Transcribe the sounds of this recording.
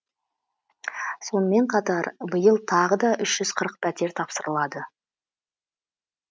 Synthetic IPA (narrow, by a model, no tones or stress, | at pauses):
so̞nəme̞ɴqʰɑt̪ɑɾbəjəlˠt̪ʰɑʁəd̪ɑʔʏʃʒ̥ʏz̥qʰəɾəq̚pʰæt̪ʲe̞ɾt̪ʰɑpsəɾəlˠɑd̪ə